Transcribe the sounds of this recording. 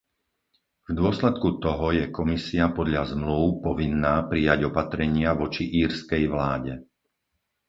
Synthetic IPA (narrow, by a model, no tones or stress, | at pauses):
vd̪ʊɔslɛt̪̚kut̪ɔɦɔjɛkɔmisiapɔd̪ʎazmluʊpɔʋinːaːpɾijaɟɔpat̪ɾɛɲɪaʋɔt͡ʃiʔiːɾskɛjʋlaːɟɛ